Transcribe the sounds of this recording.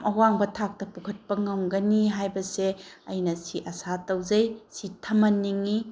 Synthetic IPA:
mɐwaŋbɐtʰak̚tɐpukʰɐt̚pɐŋɐwɡɐniɦajbɐse | ɐjnɐsiʔɐsatɐwzɐjsitʰɐmɐnːiŋi

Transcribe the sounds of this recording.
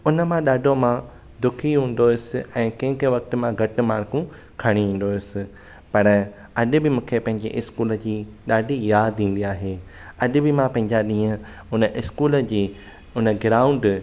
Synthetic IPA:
ʊnəmãɗaːɖʱomã | d̪ʊkʰiɦũːn̆d̪oɪsɪɛ̃ːkɐ̃ɦɪ̃kẽʋɐk̚t̪̆mãɡʱɐʈɪ̆maːɽkũ | kʰɐɽ̃iɦĩːn̆d̪oːɪsɪ̆ | pɐɾ | ɐɗɪ̆bɪmũːkʰepɐ̃ɦɪ̃ɲd͡ʑḛʔɪskuːləd͡ʑiːɗaːɖʱijaːd̪ĩːn̆d̪iaːɦeː | ɐɗɪ̆bɪmãpɐ̃ɦɪ̃ɲd͡ʑaɗĩːə̃ | ʊnəʔɪskuːləd͡ʑiː | ʊnə̆ɡɾaːʊ̃ɳɖ

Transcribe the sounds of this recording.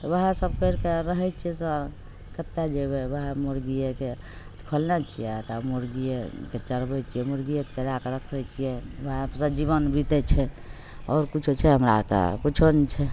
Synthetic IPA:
t̪ʋəɦɛ̃səb̚kəɾkeɾəɦɛt͡ʃʰijɛsə | kət̪ːed͡ʒebeʋəɦɛmoɾɡijeke | t̪kʰolnat͡ʃʰijɛt̪amoɾɡijeket͡ʃəɾbɛt͡ʃʰijɛmoɾɡijeke̥t͡ʃəɾakeɾəkʰbɛt͡ʃʰijɛʋəɦɛ̃sə̃d͡ʒibənbit̪ɛt͡ʃʰɛ | ɔːɾkut͡ʃʰut͡ʃʰɛɦəmɾakḛkut͡ʃʰont͡ʃʰɛ

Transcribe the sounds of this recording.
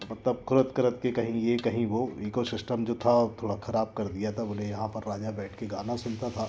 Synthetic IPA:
mɐtt̪ləb̚kʰʊɾət̪kɐɾət̪kekɐɦĩjekɐɦĩʋoiːkosɪsʈəmd͡ʒoːt̪ʰat̪ʰoːɽakʰɐɾaːb̚kɐɾd̪ijat̪ʰaʊnẽjɐɦãpɐɾːaːd͡ʒabɛːʈʰkeɡaːnasʊnt̪at̪ʰaː

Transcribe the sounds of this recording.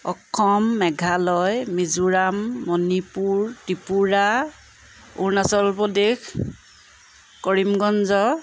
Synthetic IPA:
ɔkʰːɔmːɛɡʱalɔjmizuɹamːɔnipuɹtipuɹa | ṵɹnasɔlpɔdex | kɔɹimɡɔnzɔ

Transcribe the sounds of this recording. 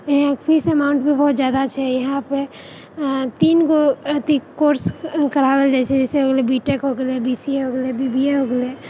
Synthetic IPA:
kpʰiːsɛmaːʊ̃ɳʈbebɔːt̪zjaːd̪at͡ʃʰɛjɐɦãpe | t̪iːnkot̪ikoːɾskəɾawəld͡ʒɛːsed͡ʒɛːseɦoːɡlebiːʈekɦoɡlebiːsiɦoːɡlebibieɦoːɡle

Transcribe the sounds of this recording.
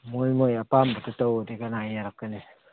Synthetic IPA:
molmojapambututawotikanajeɾakkine

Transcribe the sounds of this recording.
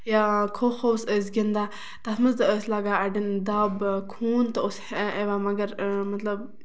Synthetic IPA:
jakʰoːxosəzɡind̪aː | t̪asmɐzt̪əslaːɡaːɐɖɐnd̪aːbkʰuːnt̪ɐosheʋaːmɐɡɐɾmɐt̪lɐb

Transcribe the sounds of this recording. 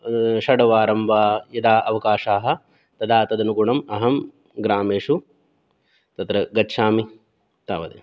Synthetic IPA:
ʃɐɽɐʋaːɾɐmʋaːjɐd̪aːʔɐʋɐkaːʃaːɦɐ̆ | t̪ɐd̪aːt̪ɐd̪ɐnukuɳɐmɐɦɐm | ɡɾaːmeːʂu | t̪ɐt̪ɾɐɡɐtːʃaːmi | t̪aːʋɐd̪ḛ

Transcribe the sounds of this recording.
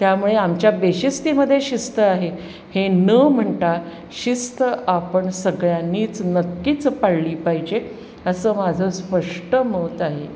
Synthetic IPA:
t̪jamuɭeamt͡ɕjabeɕist̪iːməd̪ʱːjeɕist̪əaɦe | henəm̤əɳt̪a | ɕist̪əʔapəɳsəɡɭjanːiːt͡snəkːiːt͡spaɽliːpaɦid͡ʑe | əsəːmad͡zʱəspəʂʈəməːt̪aɦe

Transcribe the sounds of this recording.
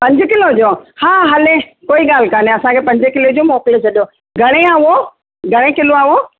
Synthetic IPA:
pɐ̃ɲd͡ʑɪ̆kɪlod͡ʑoːhaːɦɐlekoːiɠaːl̤ɪ̆kaːneɐsãkʰepɐ̃ɲd͡ʑɪkɪlod͡ʑoːmɔːkɪlt͡ɕʰɐɗjo | ɡʱɐɽ̃eaːo | ɡʱɐɽ̃ekɪloaːʋo

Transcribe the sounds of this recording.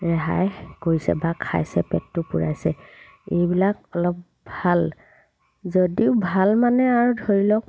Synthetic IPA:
ɹɛɦa̰jkoɹisɛ̰bakʰa̰jsɛpɛtːʊpuɹa̰jsɛ | ejbilak̚ɔlɔp̚ | bʱal | zodiʊbʱalmanɛaɹudʱoɹilɔk̚

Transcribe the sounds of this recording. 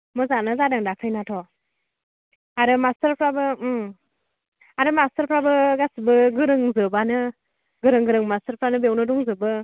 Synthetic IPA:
mɔzanɯzadɯŋdakʰɯjnatʰɔ | aɾɯmastəɾpʰɾabɯ | aɾɯmastəɾpʰɾabɯɡasibɯɡɯɾɯŋzɯbanɯ | ɡɯɾɯŋɡɯɾɯŋmastəɾpʰɾanɯbewnɯdɔŋzɯbɯ

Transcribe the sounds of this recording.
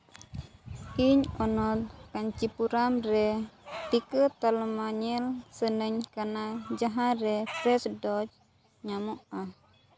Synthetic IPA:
iɲɔnɔt̪̚kaɲt͡ʃipuɾamɾɛt̪ikət̪almaɲɛlsənəɲkanad͡ʒaɦaɾɛpɾɛsdɔd͡ʒ | ɲamɔʔah

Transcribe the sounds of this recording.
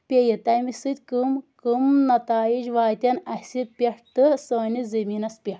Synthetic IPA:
pʲejit̪ɐjmisɨd̪ʲkɨmkɨmnɐt̪aːid͡ʒʋaːt̪ʲɐnɐsʲit̪̚pʲeʂt̪ɨsoːnizɐminɐspʲeʈ

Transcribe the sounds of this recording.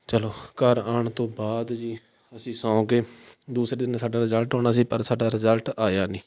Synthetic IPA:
t͡ʃəloːkəɾaːɳt̪õːbaːd̪d͡ʒiː | əsĩːsãːõːkeːd̪uːsɾeːd̪ɪnsaːɖaːɾɪzəlʈɦoːñaːsiːpəɾsaːɖaːɾɪzəlʈaːjaːnĩː

